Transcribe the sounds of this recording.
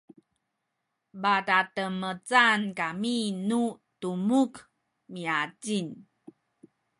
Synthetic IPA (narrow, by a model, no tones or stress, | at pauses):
batatəmət͡sankaminu | tumuk | miaɟin